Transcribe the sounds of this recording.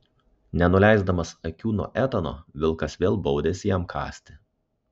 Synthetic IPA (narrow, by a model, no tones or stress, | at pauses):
nʲɛnʊlʲæˑɪzd̪ɐmɐsɐkʲuːno̰ːʔæt̪ɐno̰ːʋʲɪlˠkɐsʋʲeːlˠbɒʊd̪ʲeːsʲɪjɛmkʰɑ̰ːsʲt̪ʲɪ